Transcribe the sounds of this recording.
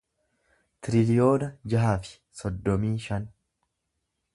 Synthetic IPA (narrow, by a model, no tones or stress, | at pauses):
t̪ɪɾɪlɪjo̞ːnɐd͡ʒɐɦaːfɪ̥ | sɔd̪ːɔmiːʃɐn